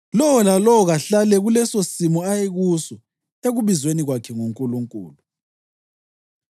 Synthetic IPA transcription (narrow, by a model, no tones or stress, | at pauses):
lɔwɔlalɔwɔɣaɬalɛɣulɛsosimɔajeɣusɔ | eɣuβizweniɣwakʰɛŋuŋkʼuluŋkʼṵːlu